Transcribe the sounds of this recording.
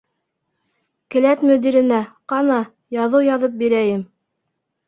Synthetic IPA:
kɘ̆læt̪mɵ̆d̪iɾɘ̆næqɑnɑ | jɑðɤwjɑðɤp̚biɾæjɘm

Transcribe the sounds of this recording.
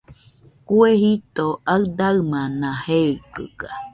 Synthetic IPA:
kuehit̪oʔaɯd̪aɯmãnãheɯkɯ̰ka

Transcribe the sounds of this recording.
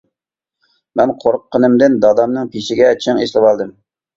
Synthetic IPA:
mɛnqʰoɾqʰːənɨmd̪ɨnd̪ɑd̪ɑmnɨŋpʰeʃɪɡʲɛt͡ʃʰɪŋeʃlˠɨbɑlˠd̪ɨm

